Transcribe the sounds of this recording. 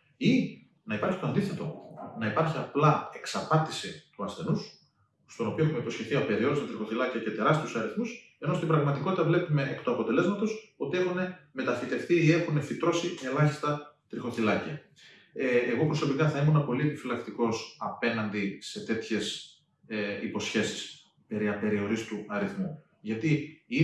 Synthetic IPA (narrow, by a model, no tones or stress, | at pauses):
i | nɐipɐɾçit̪oɐnd̪iθe̞t̪o̞nɐipɐɾçiɐplɐe̞ksɐpɐt̪isit̪uɐsθe̞nus | st̪o̞no̞pioexumeipo̞sçeθiɐpeɾio̞ɾisɐt̪ɾixo̞θilɐciɐcet̪e̞ɾɐst̪iusɐɾiθmus | e̞nost̪ibɾɐɣmɐt̪iko̞t̪it̪ɐvle̞pume̞ʔekt̪uɐpo̞t̪e̞le̞zmɐt̪o̞so̞t̪ie̞xune̞me̞t̪ɐfit̪e̞fθiːe̞xune̞fit̪ɾo̞siʔe̞lɐçist̪ɐt̪ɾixo̞θilɐciɐ | eɣo̞pɾo̞so̞pikɐθɐimunɐpo̞lie̞pifilɐkt̪iko̞sɐpe̞nɐnd̪ise̞t̪e̞t̪çe̞s | ipo̞sçe̞si̥s | pe̞ɾiɐpe̞ɾio̞ɾist̪uɐɾiθmu | ʝɐt̪ii